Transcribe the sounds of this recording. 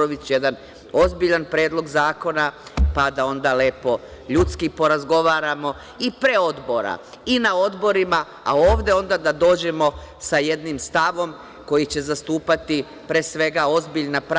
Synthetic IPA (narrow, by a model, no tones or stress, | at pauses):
oʋit͡ɕjed̪an | o̞zbiʎanpɾe̞ːd̪lˠo̞ɡzaːko̞napad̪ao̞nd̪ale̞ːpo̞ | ʎut̪skipo̞ɾazɡo̞ʋaːɾamo̞ | ipɾe̞o̞d̪bo̞ɾa̰ | inao̞d̪bo̞ɾima | a̰oːʋd̪e̞o̞nd̪ad̪ad̪o̞ːd͡ʑe̞mo̞saje̞d̪nimst̪aʋo̞m | ko̞jit͡ɕe̞zast̪uːpat̪i | pɾe̞ːsʋe̞ɡao̞zbiʎnapɾ